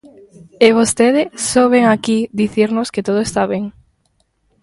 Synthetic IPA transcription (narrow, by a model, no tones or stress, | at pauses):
eβost̪eðɪsoβeŋakid̪iθiɾnʊsket̪oð̞oest̪aβeŋ